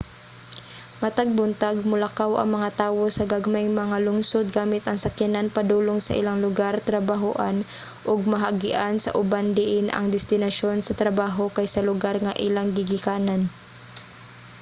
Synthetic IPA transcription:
mɐt̪aɡ̚bʊnt̪aɡ̚mʊlakawʔɐ̰ŋmɐŋat̪aːwo̞sɐɡaɡɐmajŋmɐŋalʊŋsod̪̚ɡaːmɪt̪ɐŋsɐkjɐnanpɐd̪uːloŋsɐ̰ʔɪ̰laŋlʊɡaɾt̪ɾɐbaɦʊʔan | ʔoɡ̚mɐɦaʔɡɪʔansɐ̰ʔʊband̪ɪʔɪnʔɐ̰ŋd̪ɛst̪ɪnɐʃo̞nsɐt̪ɾɐbaːɦo̞kajsɐlʊɡaɾŋaʔɪlaŋɡɪɡɪkaːnan

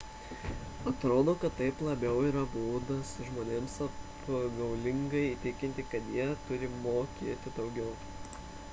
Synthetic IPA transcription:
ɐt̪ɾoːd̪oːkɐt̪t̪ːɐɪplˠɐbʲɛʊiːɾɐbuːd̪ɐsʒmoːnʲeːmsɐpɡɐʊlʲɪŋɡɐɪit̪ʲɪkʲɪnʲt̪ʲɪkɐt̪jiɛt̪ʊɾʲɪmoːkʲeːt̪ʲɪd̪ɒʊɡʲɛʊ

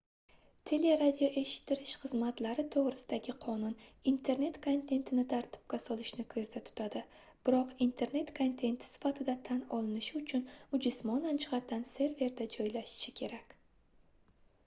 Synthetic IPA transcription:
t̪ʰe̞le̞ɾad̪ʲijoʔe̞ʃɪ̥t̪ʰːɪɾɪʃχɨzmat̪laɾɪt̪ʰoʁɾɪsɪd̪aɡʲɪqʰɒnʊnint̪ʰe̞ɾne̞t̪kʰont̪ʰe̞nt̪ʰɪnɪt̪ʰaɾt̪ʰɪ̥p̚kʲasɒlˠɪʃnɪkʰɵzd̪at̪ʰʊ̥t̪ʰad̪ɪ | b̥ɪɾɒqint̪ʰe̞ɾne̞t̪kʰont̪ʰe̞nt̪ʰɪ̥sɪ̥fat̪ʰɪd̪at̪ʰanɒlˠɪnɪʃɪʊt͡ʃʰʊnʊd͡ʒʊsmɒnand͡ʒɪʁat̪ʰːanse̞ɾve̞ɾd̪ad͡ʒɒjlaʃɪ̥ʃɪkʲʰe̞ɾakʲ

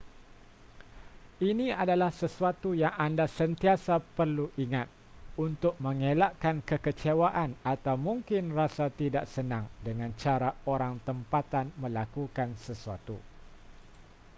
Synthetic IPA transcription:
inĩadalahsəsuat̪ujaŋandasənt̪iasapərluʔiŋat̪̚ | unt̪ʊk̚mə̃ŋelaʔkankəkət͡ʃewaʔanat̪awmũŋkɪnrasat̪idaʔsənãŋdəŋãnt͡ʃaɾaoɾaŋt̪əmpat̪anmə̃lakukansəsuat̪ṵ

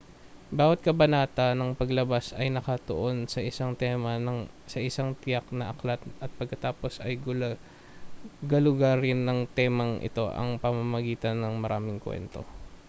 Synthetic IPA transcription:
baːwɐt̪̚kɐbɐnaːt̪ɐnɐŋpɐɡlɐbasɐjnɐkɐt̪o̰ʔo̞nsɐʔɪsaŋt̪ɛmɐnɐŋ | sɐʔɪsaŋt̪ɪjak̚nɐʔɐklat̪̚ɐt̪̚pɐɡ̚kːɐt̪aːpo̞sɐjɡ | ɡɐlʊɡaɾɪnːɐŋt̪ɛːmɐŋʔɪ̰t̪o̞ʔɐ̰ŋpɐmɐmɐɡiːt̪ɐnːɐŋmɐɾʔaːmɪŋkwɛ̰nt̪o̞̰

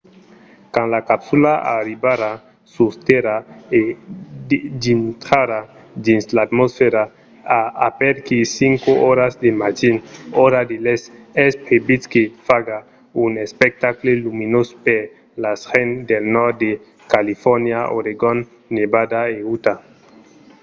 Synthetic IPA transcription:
kãnlakapsulaa̰ɾibaɾa | sust̪eɾae | dint̪ɾaɾa | d̪inslat̪mosfeɾa | aapɛɾkisiŋkooɾazd̪emad͡ʒinoɾad̪elesɛspebitkefaɡa | unespek̚t̪akleluminospeɾ | lasxend̪elnɔɾt̪̚d̪e | kalifɔɾnjao̰ɾeɡonː | ebad̪aeut̪a

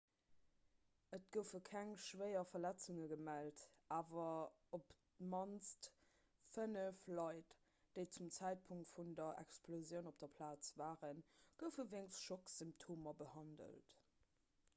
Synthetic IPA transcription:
ət̚ɡ̥əʊfəkʰæŋʃvəɪɐfɐlæt͡suŋəɡəmæltʔaːvɐ | op | mɑnt͡sst | fənəflɑɪt | d̥eɪt͡sumt͡sæɪt̚pʰuŋktfundɐʔɛ̰ksplozjəʊnop̚d̥ɐpʰlaːt͡svaːʁənɡ̥əʊfəveŋsʃoksimp̚tʰoːmɐbəhɑndə̰lt

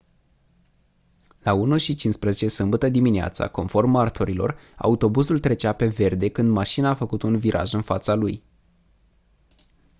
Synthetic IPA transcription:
launuʃit͡ʃinspɾəzet͡ʃe̞sɨmbət̪əd̪iminea̰t̪sa̰ko̞nfo̞rmart̪ʰoɾilo̞̰ra̰ut̪o̞buzult̪ɾe̞t͡ʃape̞ve̞rd̪e̞kɨnd̪maʃinaːfəkut̪unviɾʔa̰ʒɨnfat̪saluj

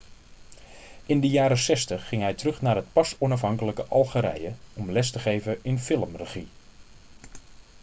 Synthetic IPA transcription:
ʔɪndəjaːɾəsɛstəχːɪŋɦɛjtərɵχnaːrɦət̚pɑsɔnɑfɦɑŋkələkəʔɑlˠχəɾɛ̰jəɔmlɛstəχejvəʔɪnfɪləmrəχi

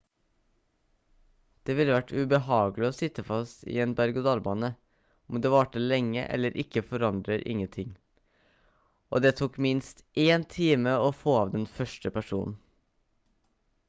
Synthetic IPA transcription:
d̪̥eːʋɪlːəʋæʈːʉbəhɑːɡəlɪoːsɪt̪əfɑst̪ḭeːnbæɾɡʊd̪ɑlbɑnə | ɔmd̪eːʋɑʈəlɛŋːə̰ʔɛ̰lːəɾʔɪkːəfɔɾɑnd̪ɾəɾʔɪ̰ŋːənt̪ʰɪŋ | ʔo̰ːd̪eːt̪ʰuːkmɪnst̪ʔeːnt̪ʰiːməoːfoːɑːʋd̪ɛnfœʂʈəpʰæʂṵːnn̩

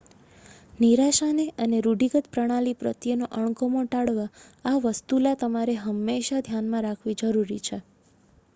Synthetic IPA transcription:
niɾaʃaneʔəneɾuɖiɡət̪pɾəɽ̃alipɾə̰t̪jənoʔəɳ̃komoʈaɽʋaːʋəst̪ulat̪əmaɾeɦəmːeʃad̪ʱjanmãɾakʰʋid͡ʒəɾuɾit͡ʃʰe

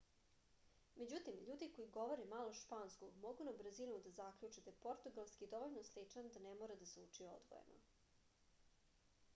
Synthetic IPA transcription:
me̞d͡ʑut̪imʎuːd̪iko̞jiɡo̞ʋoɾemalˠoʃpaːnskoɡmoɡunabr̩zinud̪azakʎʲut͡ʂed̪ajepo̞ɾt̪uɡalˠskid̪o̞ʋoʎnoslit͡ʂand̪anemoːɾad̪aseut͡ʂijeo̰d̪ɡo̰jḛno̰

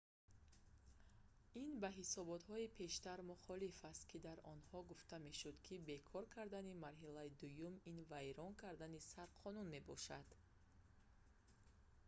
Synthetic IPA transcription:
inbaɦisɔbɔt̪hɔipʰe̞ʃt̪aɾmuχɔlifast̪̚kʰid̪aɾɔnhɔɡuft̪ʰame̞ʃud̪kʰibe̞kʰɔɾkʰaɾd̪animaɾɦilaid̪ujuminvajɾɔŋkʰaɾd̪anisaɾqʰɔnunme̞bɔʃad̪̥

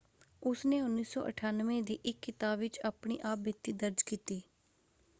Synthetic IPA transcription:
ʊsneːʊnːiːsɔ̰ːʔə̰ʈʰaːnʋẽːd̪iːʔɪkːɪt̪aːbʋɪt͡ʃaːpɳ̃ḭːʔaːp̚bɪt̪ːiːd̪əɾd͡ʒkiːt̪iː

